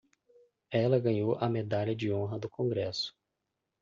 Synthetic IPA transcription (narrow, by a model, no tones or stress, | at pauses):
ɛlɐɡɐ̃ɲowʔɐmed̪aʎɐd͡ʒɪõɦɐd̪ʊkõɡɾɛsʊ̥